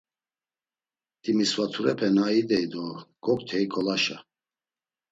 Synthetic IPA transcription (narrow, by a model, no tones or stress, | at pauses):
d̪̥imiswat̪ʰuɾɛpʰɛnaid̪ɛjd̪ɔɡ̥ɔk̚t̪ʰɛikʰʼɔlaʃa̰